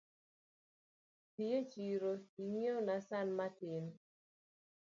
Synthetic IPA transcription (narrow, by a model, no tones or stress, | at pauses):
tijet͡ʃiɾoiŋenasanmatɪn